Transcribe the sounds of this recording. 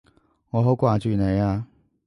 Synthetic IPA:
ŋɔ˨˧ɦo˧˥ʊkwaː˥˨˩t͡ɕy˥˨˩ne˨˦ɪa˧˩

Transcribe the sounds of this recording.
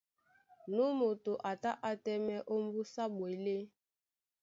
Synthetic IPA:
nu˦mo˨to˨ʔa˨ta˦ʔa˦tɛ˦mɛ˦ʔo˦m˦bu˦sa˦bwe˨le˦

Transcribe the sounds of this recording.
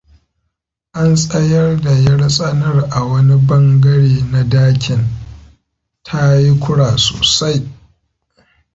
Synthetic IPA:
ʔa˦nsʼɐ˦jɐ˦rda˨jɐ˦ɽsʼɐ˦nɐ˦rʔa˨wɐ˦ni˦bɐ˦ŋɡɐ˦ɽeː˨na˦daː˦kʲʰɪ˨n | tʰa˦ji˦kʷʊ˦ɽaː˨so̰ː˨sa˦j

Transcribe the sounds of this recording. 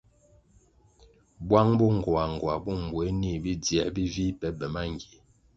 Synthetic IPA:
bwa˦ŋbu˦ŋ˨ɡwa˨ŋ˨ɡa˨bu˦˨m˨bwe˨˦ni˦˨bi˦djɛ˨bi˦vi˦pɛ˨˦bɛ˨ma˦ŋ˨ɡi˨

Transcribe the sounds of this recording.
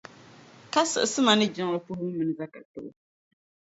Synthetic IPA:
ka˦sɨ̰˨sɨ˦ma˨nɨ˦d͡ʒɪ˨ŋ˨lɨ˦pu˦hʊ˦mɨ˨nɨ˨za˦ka˨tɨ˨ʔʊ̰˨

